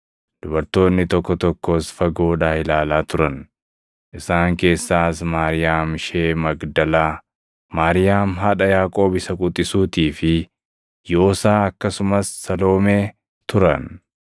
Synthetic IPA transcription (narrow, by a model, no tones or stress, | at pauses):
d̪̥ʊbɐɾt̪o̞ːnːɪt̪ɔkːɔt̪ɔkːo̞ːsfɐɡo̞ːᶑaːhɪlaːlaːt̪ʊɾɐn | ʔɪsaːŋke̞ːsːaːsmaːɾɪjaːmʃeːmɐɡd̪ɐlaː | maːɾɪjaːmɦɐᶑɐjaːkʼo̞ːbɪsɐkʼʊt̪ʼːɪsuːt̪iːfɪ | jo̞ːsaːɐkːɐsʊmɐsːɐlo̞ːmeː | t̪ʊɾɐ̰n